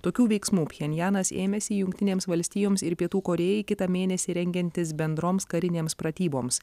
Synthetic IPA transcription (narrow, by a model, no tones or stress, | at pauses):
t̪oːkʲuːʋʲɛɪksmuːpʲjʲɛnʲjæːnɐsḛːmʲɛsʲɪjʊŋʲk̚ʲt̪ʲɪnʲeːmsʋɐlʲsʲt̪ʲijoːmsɪɾpʲiɛt̪uːkoːɾʲeːjɛɪkʲɪt̪ɑmʲeːnʲɛsʲɪɾʲɛŋʲɡʲɛnʲt̪ʲɪsbʲɛnd̪ɾoːmskɐɾʲɪnʲeːmspɾɐt̪ʲiːboːms